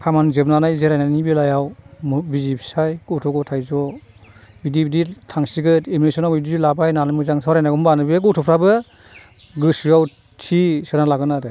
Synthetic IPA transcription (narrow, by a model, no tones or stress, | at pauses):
kʰamanzɯbnanajzeɾajnanibelajawmbizipʰi̥sajɡɯtʰɔɡɔtʰajzɔ | bidibiditʰaŋsiɡɯteminesɔnawbididilabajnanɯmɯzaŋsɔɾajnaɡɔmbanɯbeɡɔwtʰɔpʰɾabɯ | ɡɯsɯaw | tʰisɯnalaɡɯnadɯ